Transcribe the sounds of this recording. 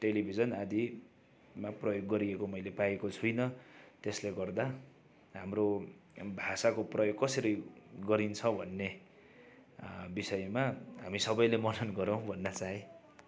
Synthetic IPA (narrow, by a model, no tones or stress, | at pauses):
ʈelibʱid͡zʌnad̪i | maprʌjoɡːʌɾiekomʌjlepaekot͡sʰujnʌt̪esleɡʌrd̪a | ɦamrobʱasakoprʌjoɡ̚kʌsʌɾʌjɡʌɾint͡sʰʌbʱʌnːe | bisʌjmaɦamisʌbʌjlemʌnʌnɡʌɾʌw̃bʱʌnːat͡saɦẽ